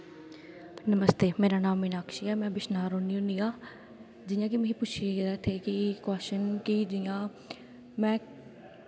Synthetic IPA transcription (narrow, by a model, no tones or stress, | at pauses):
nəməst̪eːmeːɾaːnaːmːenaːkʰʃiːɛːmɛ̃ːbɪʃnaːɾõːniːɦʊniːaː | d͡ʒɪjãːk̬ɪmeɦĩːpʊt͡ʃʰid̪aːt̪ʰeːkɪkɛːʃənkɪd͡ʒɪjãː | mɛ̃ː